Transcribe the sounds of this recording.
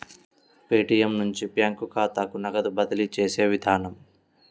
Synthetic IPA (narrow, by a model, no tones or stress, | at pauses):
peːʈijɐmnuɲt͡ʃipjaːŋkukaːt̪aːkunɐɡɐd̪ubɐd̪ɐlit͡ʃeːse̞ːʋid̪ʱaːnɐm